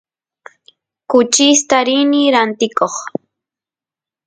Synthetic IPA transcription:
kʊt͡ʃist̪aɾɪniɾant̪ɪkoχ

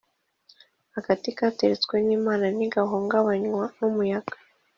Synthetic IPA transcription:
haɡatikaːte̞ɾet͡skweniːmaːnaniɡaɦoːŋɡaβaɲwanumujaɡ̥ḁ

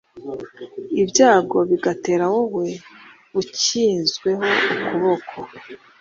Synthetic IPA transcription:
ibjaːɡo̞βiɡate̞ːɾawoɦwe̞ | βuciːnzɡwe̞ɦo̞ukuβo̞kʰo

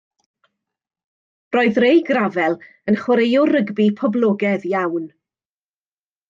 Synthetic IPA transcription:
rɔːɨðrejɡravɛlˠ | ənχwaɾejɔɾəɡbipʰɔblˠɔɡɛðjawn

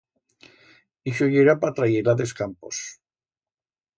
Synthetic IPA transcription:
iʃoʎeɾapat̪ɾajeɾaðeskampo̰s

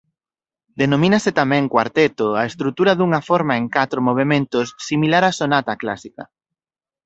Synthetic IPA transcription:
d̪enõmĩnɐsɪt̪amɛ̃ŋkwaɾt̪et̪oaest̪ɾut̪uɾɐðuŋɐfɔɾmaeŋkat̪ɾomoβ̞emẽnt̪ʊsːimilaɾasonat̪akla̰sikɐ

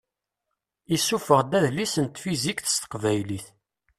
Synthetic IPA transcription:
isufəʁd̪æðlisənt̪fizikθə̥st̪ə̥qvæjliθ

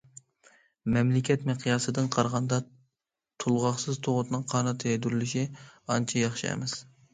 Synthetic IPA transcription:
mɛmlɪkʲɛt̪meqʰijɑsɨd̪ɨnqʰɑɾʁɑnd̪ɑ | t̪ʰulˠʁɑχsɨzt̪ʰoʁʊt̪nɨŋqʰɑːnɨt̪ʰɨɛjd̪yɾlɪʃiɑnt͡ʃʰɛjɑχʃḭɛ̰mɛs

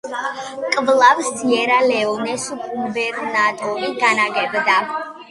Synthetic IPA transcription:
kʼvlˠavst̪ʰʼiɛɾalɛɔnɛsukʼumbɛɾnad̪ɔviɡanaɡɛbd̪a

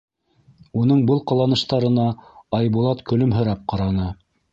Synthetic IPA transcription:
unɤɴbɤlˠqɑ̆lˠɑnɤ̆ʃt̪ɑɾɤ̆nɑɑjbulˠɑt̪kɵ̆lɵmɦɘ̆ɾɑp̚qɑɾɑnɤ

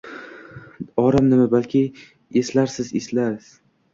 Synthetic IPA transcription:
ɒɾamnɪmabalkʲʰɪ | eslaɾsɪzeslaɾz̥

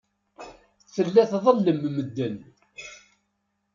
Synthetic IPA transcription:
θəlːæθðˤəlːəmməd̪ːən

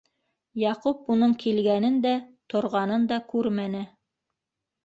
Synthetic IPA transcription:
jɑqupunɤɴkʰilɡænɘnd̪æt̪ŏɾʁɑnɤnd̪ɑkʉɾmænɘ

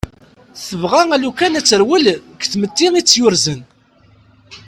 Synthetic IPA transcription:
θəvʁæælukænæt͡sːəɾwəlkθmət̪ːiʁit͡sːjʊɾzən

